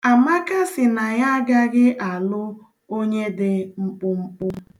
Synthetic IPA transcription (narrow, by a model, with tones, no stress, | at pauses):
a˨ma˦ka˦sɪ˨na˨ja˦ɡa˦ɡɪ˦ʔa˨lʊ˦ | o˦ɲe˦dɪ˨ŋ͡m̩˦k͡pʊ˦ŋ͡m̩˦k͡pʊ˦